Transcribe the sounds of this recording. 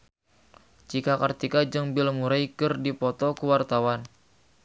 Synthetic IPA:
t͡ʃikakərt̪ikad͡ʒɨŋbɪlmuɾajkɨrdipɔt̪ɔkəwart̪awan

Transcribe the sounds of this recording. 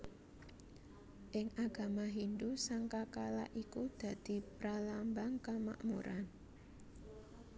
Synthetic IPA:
ʔɪŋaɡ̥a̤maɦind̪usaŋkakala̰ʔikud̪̥ä̤d̪̥i̤pɾalambaŋkama̰ʔmuɾʔan

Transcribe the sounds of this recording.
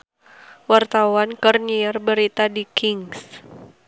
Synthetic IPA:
wart̪awankərniarbəɾit̪adikɪŋs

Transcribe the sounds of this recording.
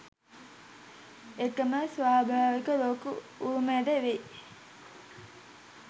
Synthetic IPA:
ekːəməsʋaːbʱaːʋikəloːkuuːmeɖəʋe

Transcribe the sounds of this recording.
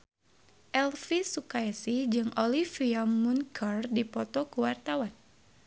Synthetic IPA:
ʔɛlfisukaɛsid͡ʒɨŋʔolifiamunkʰərdipɔt̪ɔkuwart̪awan

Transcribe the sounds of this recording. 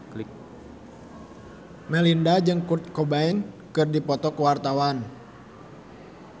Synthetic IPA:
l | mɛlindad͡ʒɨŋkurt̪̚kobaɛn | kɨrdipɔt̪ɔkuwart̪awan

